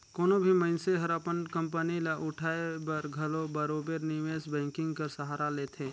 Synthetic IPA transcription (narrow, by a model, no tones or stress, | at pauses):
koːnobʱimɐɪnseɦɐɾapənkɐ̃mpənilaʔʊʈʰaːebɐɾɡʱɐlobɐɾoːbeɾniʋeːsbɛ̃ːŋkɪ̃ŋɡkɐɾsəɦaːɾaleːt̪ʰẽː